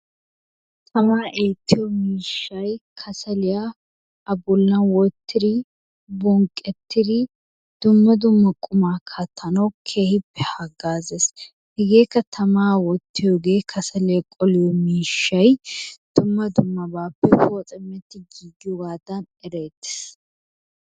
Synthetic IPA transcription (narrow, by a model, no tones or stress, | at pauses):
t̪ʰɐmaːʔeːt̪ːɪjɔmiːʃːɐjkʰɐsɐlɪja | ɐbʊlːɐnwɔt̪ːɪɾɪ | bɔŋkʼːɛt̪ːɪɾɪ | d̪̥ʊmːɐd̪ʊmːɐkʼʊmaːkʰɐt̪ʰːɐnɐwkʰe̞ːhɪpːɛhɐɡaːzes | hɛɡeːkːɐt̪ʰɐmaːwɔt̪ːɪjoːɡe̞ːkʰɐsɐlɪjɐkʼɔlɪjɔmiːʃːɐjd̪̥ʊmːɐd̪ʊmːɐbaːpːɛfoːt͡sʼɛmːɛt̪ːɪɡiːɡɪjɔɡaːd̪ɐn | ɛɾeːt̪ːɪ̥s